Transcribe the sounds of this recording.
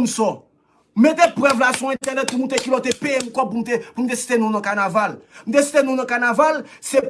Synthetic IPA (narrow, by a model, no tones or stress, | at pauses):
nusɔ | m̩met̪epʁɛvlasũɛ̃t̪ɛʁnɛt̪̚pumũt̪ekilɔt̪epeemũkɔpum̩t̪epumũt̪esi̥t̪enũnɔ̃kanavalmũt̪esi̥t̪enũnɔ̃kanavalse